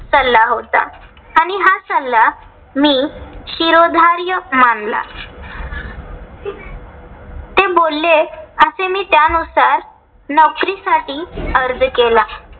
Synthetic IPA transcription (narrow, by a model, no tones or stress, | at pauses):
səlːaɦot̪a̰ | aɽ̃iɦasəlːa | miːɕiɾod̪ʱaɾjəmaɳla̰ | t̪ebolːeəsemiːt̪janusaɾ | nɔkɾisaʈiːəɾd͡zkela